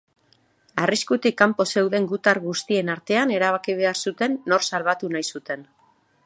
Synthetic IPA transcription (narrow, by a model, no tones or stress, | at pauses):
ariskut̪ikːampo̞se̞wðe̞ŋɡut̪aɾɣust̪ie̞naɾt̪e̞ane̞ɾaβ̞akiβ̞e̞aɾsut̪e̞nːo̞ɾsalβ̞at̪unajsut̪e̞n